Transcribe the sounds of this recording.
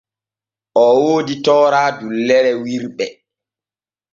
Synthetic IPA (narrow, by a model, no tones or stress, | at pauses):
ʔɔwoːditɔːɾaːdulːɛɾɛwiɾɓɛ